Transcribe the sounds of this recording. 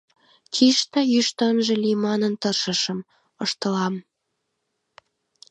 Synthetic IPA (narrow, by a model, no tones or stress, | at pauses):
t͡ʃiʃt̪əjyʃt̪ənʒĕlimɑnənt̪ərʃə̆ʃə̆m | əʃt̪ə̆lɑm